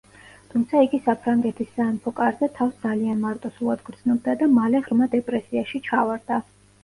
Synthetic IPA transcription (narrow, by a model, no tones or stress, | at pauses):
t̪ʰumt̪sʰaiɡisapʰɾaŋɡɛt̪ʰisːanpʰɔkʼaɾzɛt̪ʰafsd̪zalianmaɾt̪ʼɔsulˠad̪ɡɾd̪znɔb̚d̪ad̪amalɛʁɾmad̪ɛpʼɾɛsiaʃit͡ʃʰavaɾd̪a